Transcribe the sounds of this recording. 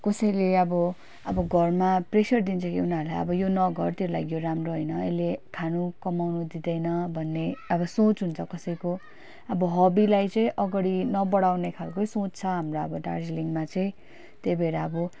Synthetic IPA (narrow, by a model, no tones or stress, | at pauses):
kʌsʌjleʌbʌ | ʌbʌɡʱʌrmapresʌrd̪int͡sʰʌkiunaɾlajʌ̰bʌjonʌɡʱʌrt̪jeɾulaɡijoɾamroɦʌjnʌḛlekʰanukʌmawnud̪id̪ʌjnʌbʱʌnːeʌbʌsõt͡sɦunt͡sʰʌkʌsʌjko | ʌbʌɦʌbilajt͡sʌĩʔʌɡʌɽinʌbʌɽawnekʰalkosõt͡st͡sʰʌɦamroʌbʌɖa̰rd͡zeliŋmat͡sʌĩ | t̪ejbʱeɾaʌbʌ